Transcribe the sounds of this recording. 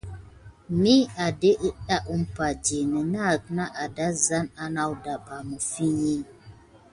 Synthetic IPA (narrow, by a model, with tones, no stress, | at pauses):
mi˦a˨de˦ʔi˦ɗa˦ʔu˦m̩˦pa˨d͡ʒe˨nə˨na˦˨kna˦ʔa˨da˦za˦na˦na˦wda˨ba˨mə˨fi˦ɲi˦